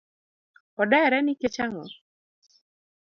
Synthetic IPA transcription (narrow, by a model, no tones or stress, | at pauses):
ɔdɛɾɛnɪket͡ʃaŋɔ